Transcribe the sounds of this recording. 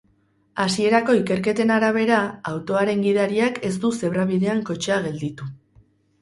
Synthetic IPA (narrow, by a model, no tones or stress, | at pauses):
asie̞ɾako̞ike̞ɾke̞t̪e̞naɾaβ̞e̞ɾaawt̪o̞aɾe̞ŋɡiðaɾiake̞st̪use̞βɾaβiðe̞aŋko̞t͡ʃeaɣe̞ld̪it̪u